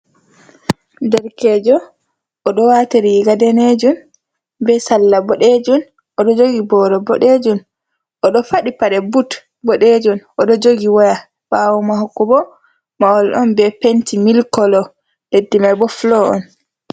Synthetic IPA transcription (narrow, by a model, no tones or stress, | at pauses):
dɛɾkɛd͡ʒɔ | ʔːɗɔwateɾiɡadɛned͡ʒun | bɛsalːabɔɗed͡ʒun | ʔɔɗɔd͡ʒoɡibɔːɾɔbɔɗed͡ʒun | ʔɔɗɔfaɗipaɗɛbut | bɔɗed͡ʒunʔɔɗɔd͡ʒoɡiwaja | bawumaɦɔkːubɔ | maɔlʔɔnbɛpentimilkɔlɔ | dedːimabɔflɔɔ̰n